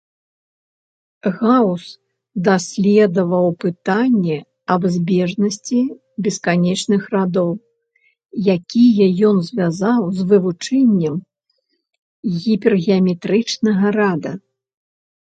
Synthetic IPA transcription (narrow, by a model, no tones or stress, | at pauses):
ɣaws | d̪asʲlʲɛd̪ɐvɐwpɨt̪anʲːɛ | ɐbzʲbʲɛʐnɐsʲt͡sʲi | bʲɛskanʲɛt͡ʂnɨxrad̪ɔw | jakʲijɐjɔnzʲvʲazawzvɨvut͡ʂɛnʲːɛm | ɣʲipʲɛrɣʲɛɐmʲɛt̪ɾɨt͡ʂnɐɣɐɾad̪ɐ